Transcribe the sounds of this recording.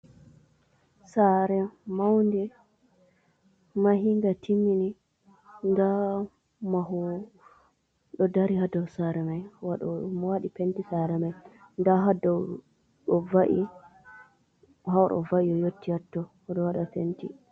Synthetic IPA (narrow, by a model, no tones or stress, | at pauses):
saɾɛmawndɛ | maɦiŋɡatʰimːini | nda | maɦɔ | ɗɔdaɾihadawsaɾɛmajwaɗɔ̰mwaɗipentisaɾɛmaj | ndaɦadaw | ɗɔvaʔḭ | haɗɔ̰vaʔiɔjotːiatːɔ | ɗɔwaɗafenti